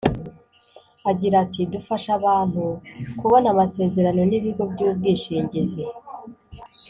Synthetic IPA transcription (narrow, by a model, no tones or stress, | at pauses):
aɟiɾatidufaʃaβaːn̥hukuβo̞namase̞ːze̞ɾano̞niβiɡo̞bɟuːbɡiːʃiːɲɟeze